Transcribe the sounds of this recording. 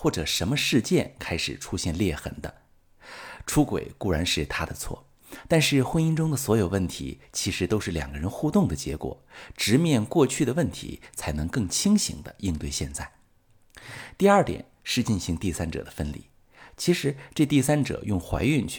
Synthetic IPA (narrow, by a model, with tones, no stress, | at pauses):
xwɔ˥˩ʈ͡ʂɤ˨˩ʂə˧˥nmə˧ʂɻ̩˥˧t͡ɕjɛ˥˧nkʰa˥ɪʂɻ̩˨˩ʈ͡ʂʰu˥ɕjɛ˥˧nljɛ˥˩xə̰˧˥nd̪ə̰˧ | ʈ͡ʂʰu˥kwḛ˨˩ɪku˥˩ɻa˧˥nʂɻ̩˥˩t̪ʰa˥d̪ə˨t͡sʰwɔ̰˥˩ | t̪a˥˧nʂɻ̩˥˩xwə˥ni˥ŋʈ͡ʂʊ˥ŋd̪ə˨swɔ˧˥jo˨˩ʊwə˥˩nt̪ʰḭ˧˥t͡ɕʰi˧˥ʂɻ̩˧˥t̪o˥ʊʂɻ̩˥˩ljɑ̰˨˩ŋɡə˦ɻə˧˥nxu˥˧t̪ʊ˥˩ŋd̪ə˩t͡ɕjɛ̰˧˥kwɔ̰˨˩˦ʈ͡ʂɻ̩˧˥mjɛ˥˧nkwɔ˥˧t͡ɕʰy˥˩d̪ə˩wə˥˩nt̪ʰḭ˧˥t͡sʰa˧˥ɪnɤ˧˥ŋkɤ˥˩ŋt͡ɕʰi˥ŋɕḭ˧˥ŋd̪ə̰˧i˥˧nt̪we˥˧ɪɕjɛ̰˥˧nt͡sa˥˩ɪ | t̪i˥˧ɐ˞˥˩t̪jɛ̰˨˩˦nʂɻ̩˥˧t͡ɕi˥˩nɕi˧˥ŋt̪i˥˩sa˥nʈ͡ʂɤ̰˨˩d̪ə˦fə˥nlḭ˥˩ | t͡ɕʰi˧˥ʂɻ̩˧˥ʈ͡ʂɤ˥˧t̪i˥˩sa˥nʈ͡ʂɤ̰˨˩jʊ˥˩ŋxwa̰˧˥ɪy˥˧nt͡ɕʰ